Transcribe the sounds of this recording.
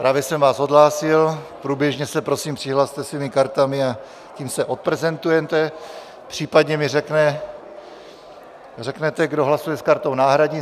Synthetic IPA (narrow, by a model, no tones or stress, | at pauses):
pɾaːvjɛsɛmvaːso̞d̪laːsɪlpɾuːbjɛʒɲɛsɛpɾo̞siːmpr̥ɪɦlaːst̪ɛsviːmɪkaɾt̪amɪa | ciːmsɛʔo̞t̪̚pɾɛzɛnt̪ujɛt̪ɛ | pr̝̥iːpad̪ɲɛmɪrɛknɛ | rɛknɛt̪ɛɡdo̞ɦlasujɛskaɾt̪o̞wnaːɦɾadɲɪ